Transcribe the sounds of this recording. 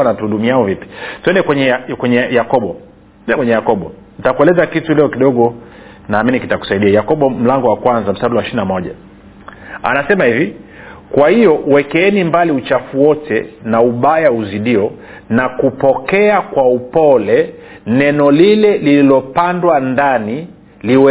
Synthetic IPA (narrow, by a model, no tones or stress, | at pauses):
anatuhuɗumiaɔvipi̥tuɛndɛkwɛɲɛkwɛɲɛjakɔɓɔ | ɛnɛkwɛɲɛjakɔɓɔ | nitakuɛlɛzakitulɛɔkiɗɔɠɔ | naːminikitaku̥saiɗiajakɔɓɔm̩laŋɡɔwakwanzam̩staɗuwaʃininamɔʄa̰ | a̰nasɛmahivikwahijɔwɛkɛɛnimbaliut͡ʃafuwɔtʰɛ̰nauɓajauziɗiɔ | nakupɔkɛakwaupɔlɛ | nɛnɔlilɛlililɔpandwandani | liwɛ